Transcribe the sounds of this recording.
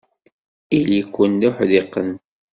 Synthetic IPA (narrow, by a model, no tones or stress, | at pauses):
ilikʷːənlʊħðiqːən